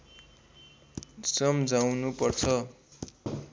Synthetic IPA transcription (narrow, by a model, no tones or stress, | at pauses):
sʌmd͡zawnupʌrt͡sʰʌ